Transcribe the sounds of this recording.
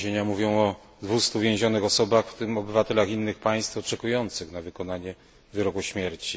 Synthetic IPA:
eɲamuvʲjɔ̃w̃ɔ | d̪vust̪uvʲjẽw̃ʑɔnɘxɔsɔbaxft̪ɘmɔbɘvat̪ɛlaxinːɘxpaj̃st̪ɔt͡ʂɛkujɔnt̪sɘxnavɘkɔnaɲɛ | vɘɾɔkuɕmʲjɛɾt͡ɕi

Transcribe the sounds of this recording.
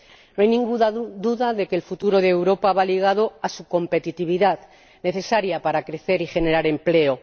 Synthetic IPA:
noajnĩŋɡuðaðuðaðe̞kelfut̪uɾo̞ðeːwɾo̞paβaliɣ̞að̞o̞asuko̞mpe̞t̪it̪iβ̞iðað | ne̞θe̞saɾjapaɾakɾe̞θe̞ɾixe̞ne̞ɾaɾe̞mple̞o

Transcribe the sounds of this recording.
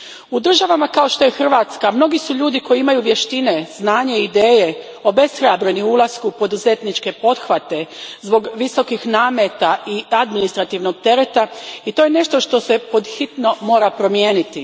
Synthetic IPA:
ud̪r̩ʒaʋamakao̞ʃt̪o̞jexr̩ʋat̪skamno̞ɡisuʎuːd̪iko̞jiimajuʋjeʃt̪ine̞znaːɲeid̪eːje̞ | o̞be̞sxɾabɾe̞niulˠaskupo̞d̪uze̞t̪nit͡ʃke̞po̞d̪xʋat̪e̞zbo̞ɡʋiso̞kixnaːmet̪aʔiad̪minist̪ɾat̪iʋno̞ɡ̚t̪e̞ɾe̞t̪ait̪o̞jene̞ʃt̪o̞ʃt̪o̞se̞po̞d̪xit̪no̞mo̞ːɾapɾo̞mjeːnit̪i

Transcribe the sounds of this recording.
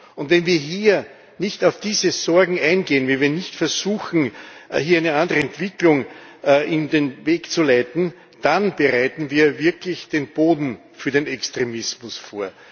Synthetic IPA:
ʊntvɛnviːɐɦiːɐ | nɪçtɑʊfd̥iːzəzɔɐɡŋ̩æ̃ɪnɡeːənvɛlviːɐnɪçtfɛɐzuːxn̩ɦiːɐæɪnəãndəʁəɛntv̥ɪklʊŋʔɪndenveːkt͡sulæɪtn̩ | d̥anb̥əʁaɪtn̩viːɐvɪɐklɪçd̥eːnb̥oːdn̩ | fyːɐdenɛkstʁemɪsmʊsfoːɐ

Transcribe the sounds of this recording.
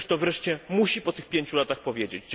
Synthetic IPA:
ʂt̪ɔvɾɛʂt͡ɕɛmuɕipɔt̪ɘxpʲjeɲt͡ɕulat̪axpɔvʲjed͡ʑed͡ʑd͡ʑ

